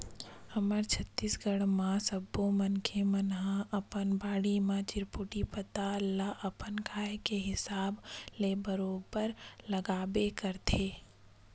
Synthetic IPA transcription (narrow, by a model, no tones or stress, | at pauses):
həməɾt͡ʃʰət̪ːiːsɡəɽmãsəbːõmənkʰemənɦãʔɐpənbaːɽimãt͡ʃɪɾpʊʈipət̪alaʔəpənkʰaːekeɦɪsaːbleːbəɾoːbəɾlɐɡaːbekəɾt̪ʰeː